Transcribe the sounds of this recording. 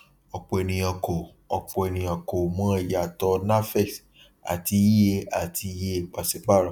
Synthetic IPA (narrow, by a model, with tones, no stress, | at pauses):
ɔ˨k͡pɔ˨ɛ˨nĩ˨j̃ã˨ko˨ | ɔ˨k͡pɔ˨ɛ˨nĩ˨j̃ã˨ko˨mɔ̃˦i˨ja˨tɔ˧na˦fɛ˦˨s | a̰˨ti˧˦i˦e˧a˨tʰi˧˦je˦e˦˨k͡pa˨si˨˦k͡pa˦˨ɾa˨